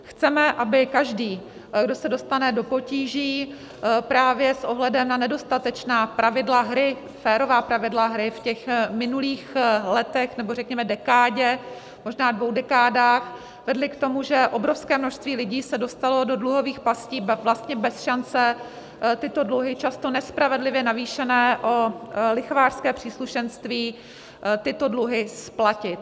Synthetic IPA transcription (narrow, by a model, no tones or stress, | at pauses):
xt͡sɛmɛʔabɪkaʒdiː | ɡdo̞sɛdo̞st̪anɛdo̞po̞ciːʒiː | pɾaːvjɛsʔo̞ɦlɛdɛmnanɛdo̞st̪at̪ɛt͡ʃnaːpɾʔavɪdlaɦɾɪ | fɛːɾo̞vaːpɾavɪdlaɦɾɪfcɛxmɪnuliːxlɛt̪ɛxnɛborɛkɲɛmɛdɛkaːɟɛ | mo̞ʒnaːdvowdɛkaːdaːx | vɛdlɪkt̪o̞muʒɛʔo̞bɾo̞fskɛːmnoʃst̪viːlɪɟiːsɛdo̞st̪alo̞do̞dluɦo̞viːxpasciːvlast̪ɲɛbɛsʃant͡sɛ | t̪ɪt̪o̞dluɦɪt͡ʃast̪o̞nɛspɾavɛdlɪvjɛnaviːʃɛnɛːʔolɪxovaːr̥skɛːpr̝̥iːsluʃɛnst̪viː | t̪ɪt̪o̞dluɦɪsplacɪt̪